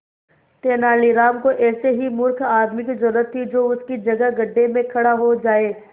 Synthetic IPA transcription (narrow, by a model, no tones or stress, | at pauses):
t̪eːnaːliɾaːmkoʔɛːseɦimʊɾkʰaːd̪mɪkd͡ʒʊɾət̪ʰːid͡ʒoːʊskid͡ʒɐɡəɡɐɖʱːemẽkʰɐɽaɦod͡ʒaːeː